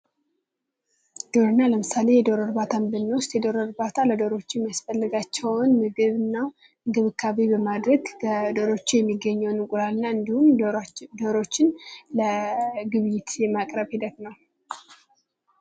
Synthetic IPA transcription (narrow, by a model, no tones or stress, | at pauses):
d̪̥o̞ɾɨnːaləmɨsale̞jɛd̪o̞ɾəɾbat̪ʰambɨnːwʊst̪jɛd̪o̞ɾəɾbat̪ʰaləd̪oɾo̞t͡ʃːɪɛmijasfəlːɨɡat͡ʃːɛwnmɨɡɨβɨnːaw | mɨɡɨβɨkʰːaβibəmad̪ɾəɡəd̪o̞ɾo̞t͡ʃːɛjɛmːiɡːəɲːɛwnɨkʼuɾalɨnːaɨnd̪ihumd̪o̞ɾo̞t͡ʃːɪnləɡɨβjɪt̪jɛmakʼɾəβhid̪ət̪nəw